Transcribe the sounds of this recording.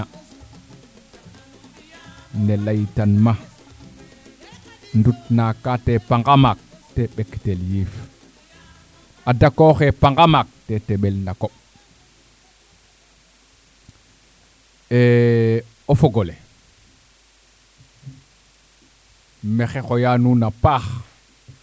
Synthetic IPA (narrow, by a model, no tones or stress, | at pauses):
nelajtanma | ndutnakːatepaŋɡamak̚ | teɓekteljif | adakoxepaŋɡamak̚teteɓelndakoɓ | e | ofoɡole | mexexojanunapax